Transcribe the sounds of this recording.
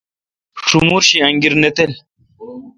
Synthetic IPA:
ʂumuːɾɕiɐŋɡiɾnet̪el

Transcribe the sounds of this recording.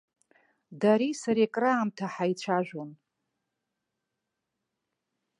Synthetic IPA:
daɾisaɾekʼraːmtʰaħait͡ɕʷʰaʒʷᶣon

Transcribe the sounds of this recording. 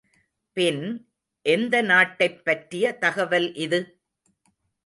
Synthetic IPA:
pɪn | ʔɛnd̪ɐnaːʈːɐɪpːɐʈɾɪjɐt̪ɐɣɐʋɐlʔɪðɯ

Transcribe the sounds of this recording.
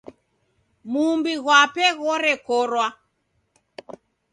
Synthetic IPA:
mumbiɣwapɛɣɔɾɛkɔɾwa

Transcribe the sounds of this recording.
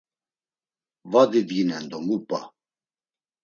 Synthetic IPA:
vad̪id̪ɡinɛnd̪ɔmupʼa̰

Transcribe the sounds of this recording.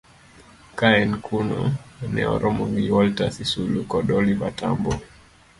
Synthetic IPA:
kaɛnkʰunɔnɛ̰ɔ̰ɾʔɔmɔɡiwɔltasisulukɔɗɔlibata̰mbɔ

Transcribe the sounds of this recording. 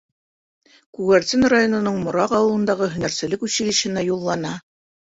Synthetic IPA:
kuɣæɾt̪ʲinrajo̞nŏnɤɴmŏɾɑqɑwɤ̆lˠɤ̆nd̪ɑʁɤɦɵ̆næɾsɘ̆lɘkʉɕɘ̆lɘ̆ʃɘ̆næjulˠːɑnɑ

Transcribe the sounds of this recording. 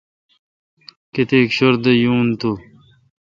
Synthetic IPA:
ket̪eːkɕoɾd̪ejuːnt̪u

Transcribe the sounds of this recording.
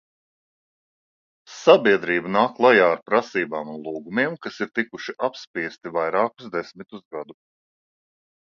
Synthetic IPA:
sabiɛd̪ɾiːbanaːkkːlˠajaːaɾpɾasiːbaːmunlˠuːɡumʲiɛmkasiɾt̪ikuʃiʔapspʲiɛst̪ivajɾaːkuzd̪esmit̪uzɡad̪u

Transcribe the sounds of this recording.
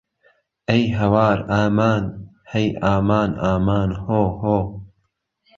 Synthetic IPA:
ɐjɦɐwaːɾaːmaːn | hɐjʔaːmaːnaːmaːnhoːhoː

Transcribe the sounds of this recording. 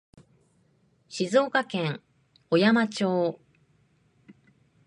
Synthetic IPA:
ɕizo̞ːkakẽŋ | o̞jamat͡ɕoː

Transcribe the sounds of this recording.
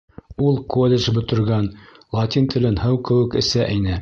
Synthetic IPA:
ulˠkolʲːeʒbɵ̆t̪ɵ̆ɾɡænlˠot̪ʲint̪ʰɘ̆lɘnhɤwkɘ̆wɘ̆kɘ̆sæʔɘnɘ

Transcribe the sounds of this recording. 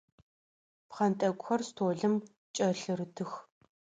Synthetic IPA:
pχɐntʼɐɡʷʼxɐrstʰoːɮɨm | t͡ʃʼɐɬɨɾɨtʰɨx

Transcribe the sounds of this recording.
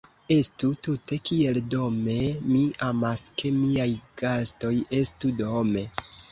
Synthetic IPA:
e̞stutute̞kie̞ldo̞me̞miamaskʰe̞miajɡ̥asto̞je̞studome̞

